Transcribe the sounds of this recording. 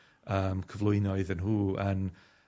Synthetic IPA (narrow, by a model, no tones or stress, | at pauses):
əːmkʰəvlˠʊɨnɔɨðənɦuːan